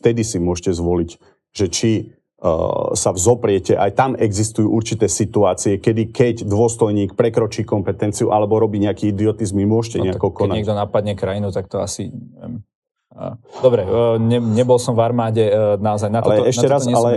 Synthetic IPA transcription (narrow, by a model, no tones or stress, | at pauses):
ft̪ɛd̪isimʊɔʃcɛzʋɔlic | ʒɛt͡ʃi | savzɔpɾɪɛcɛʔajt̪amɛɡzist̪ujuːʔuɾt͡ʃit̪ɛːsit̪uaːt͡siɛkɛd̪ikɛɟd̪ʊɔst̪ɔjɲiːk̚pɾɛkɾɔt͡ʃiːkɔmpɛt̪ɛnt͡siuʔalɛbɔɾɔbiːɲɛakiːid̪iɔt̪izmimʊɔʃcɛ̰ɲɛakɔkɔnaɛɡ̚d̪ɔnapad̪ɲɛkɾajinut̪ak̚t̪ɔa̰siɛɛ̰m | d̪ɔbɾɛɲɛɲɛbɔlsɔmvaɾmaːɟɛnaɔzajnaalɛɛʃcɛɾasalɛ